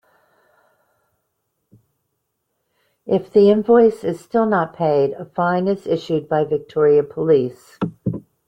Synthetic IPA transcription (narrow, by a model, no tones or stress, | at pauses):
ʔɪfðiɪ̃ɱvɔɪsɨz̥stɪlˠnət̚pʰeɪɾəfãɪ̃nɨzɪʃʉd̚baɪvɨk̚tʰɔɹiɨpʰəlis